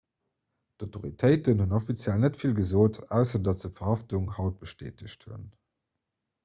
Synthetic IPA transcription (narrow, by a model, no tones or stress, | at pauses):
d̥otʰoʁitʰɜɪtənhunofit͡sjælnətfilɡəzoːtæʊsɐdɑtdəfɐʁhɑftuŋhɑʊt̚b̥əʃtḛːtəɕthṵn